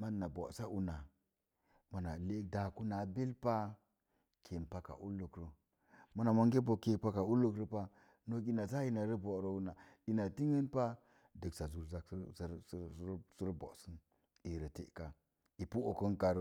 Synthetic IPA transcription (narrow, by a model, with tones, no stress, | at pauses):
ma˦˨na˨bo̰˨sa˦ʔu˦na˨ | ma˨na˨le˦k̚da˨ku˦na˨be˦lpa˦ | kʰe˨pa˦ka̰˨ʔu˦lːu˨kɾo˦ | ma˦na˨ma˦ŋɡe˦bo˨ke˨pa˦ka˨u˦lu˨kɾo˦pa˦ | no˦˨ki˦na˨za˦i˦na˨ɾə˦bo˨ɾo˦u˦na˨i˨na˨ti˦ŋə˦npa˦ | də˨ksa˨zu˨ɾza˨˦su˦ɾbo̰˨sə˦n | i˨ɾə˨tḛ˨ka˨ | i˨pu˦o˨kə˦nka˨ɾ